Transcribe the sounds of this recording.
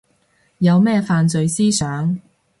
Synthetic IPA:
jɐ˨˧wmɛː˥faː˧nt͡sɵ˨ɥsiː˥sœː˨˥ŋ

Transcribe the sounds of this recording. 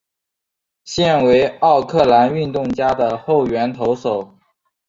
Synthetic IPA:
ɕjɛ˥˩nwe˧˥ɪɑ˥˧ʊkʰɤ˥˩la˧˥ny˥˧nt̪ʊ˥˩ŋt͡ɕja˥d̪ə˨xo˥˩ʊɥɛ˧˥nt̪ʰo˧˥ʊʂo˨˩˦ʊ

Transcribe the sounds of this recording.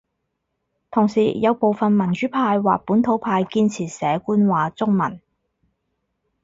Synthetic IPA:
t̪ʰʊ˨˩ŋsiː˨˩jɐ˨˧wpo˨wfɐ˨nmɐ˨˩nt͡ʃyː˨˥pʰaː˧jwa̰ː˨k̚puː˨˥nt̪ʰo˨˥wpʰaː˧jkiː˧nt͡sʰiː˨˩sɛː˨˧kuː˥nwaː˨˧˥t͡sʊ˥ŋ̚mɐ̰˨˩n

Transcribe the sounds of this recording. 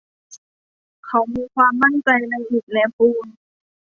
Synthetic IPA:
kʰa˧˩wmiː˧kʰwaː˧mːa˥˩˨nt͡ɕa˧jna˧jʔi˨˩t̪̚lɛ˧˥puː˧˩n

